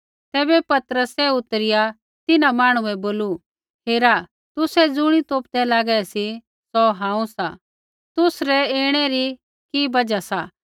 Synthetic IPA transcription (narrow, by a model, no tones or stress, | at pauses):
t̪ɛːbɛpɐt̪əɾəsɛʊt̪əɾɪja | t̪ɪnamaːɽ̃ũɛboːlu | heːɾa | t̪ʊsɛd͡zʊɽ̃it̪oːpd̪ɛlaːɡɛsi | sɔɦãːũsa | t̪ʊsɾɛeːɽ̃ɛɾi | kibɐd͡ʒasa